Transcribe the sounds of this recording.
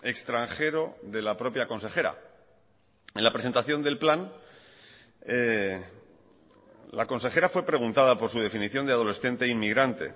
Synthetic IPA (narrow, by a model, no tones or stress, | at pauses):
ekst̪ɾaŋxe̞ɾo̞ðe̞lapɾo̞pjako̞nse̞xe̞ɾa̰ | e̞nlapɾeent̪aθjo̞nd̪e̞lplan | lako̞nse̞xe̞ɾafwe̞pɾe̞ɣ̞unt̪aðapo̞ɾsuð̞e̞finiθjo̞nd̪eaðo̞le̞sθe̞nt̪e̞inmiɣɾant̪e̞̰